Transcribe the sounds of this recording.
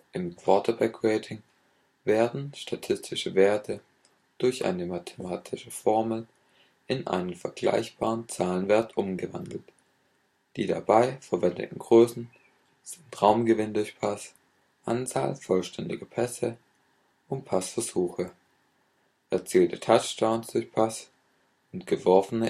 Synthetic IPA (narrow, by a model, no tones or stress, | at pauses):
ʔɪmkv̥ɔɐtʰɐbɛkʁeɪtʰɪŋ | veːɐdn̩ʃtʰatʰɪstʰɪʃəveːɐtʰə | d̥ʊɐçʔa̰ɪnəmatʰe̥maːtʰɪʃəfɔɐml̩ | ʔɪnʔa̰ɪnənfɛɐɡla̰ɪçb̥aːʁənt͡saːlənvɛɐtʔʊmɡəvandl̩t | d̥iːda̰baɪfɛɐvɛndə̰tn̩ɡʁøːsn̩ | z̥ɪntʁaʊmɡəvɪndʊɐçpʰas | ʔant͡sa̰ːlfɔlʃtʰɛndɪ̰ɡəpʰɛsə | ʔʊnt̚pʰasfɛɐz̥uːxə | ʔɛɐt͡siːltətʰat͡ʃtaʊnsd̥ʊɐçpʰas | ʔʊntɡ̥əvɔɐfənə